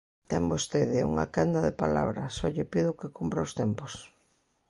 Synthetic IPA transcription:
t̪ɛmbost̪eðɪṵŋa̰kand̪ɐðepa̰la̰βɾɐsɔʎɪpiðʊkekumpɾaost̪ɛmpos

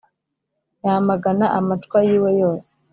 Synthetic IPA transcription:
jamaɡanaʔamatkwajiːwe̞jo̞ːse̥

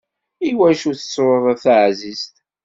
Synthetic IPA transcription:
iwæʃuθə̥sːɾəðˤθʕzizt̪

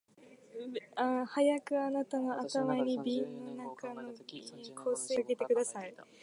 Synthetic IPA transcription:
ãhajakɯ̟anat̪ano̞ʔat̪amaiɲ̟ibʲinːo̞nakano̞ikʰo̞ːse̞ːɯɡe̞t̪e̞kɯ̟d̪asai

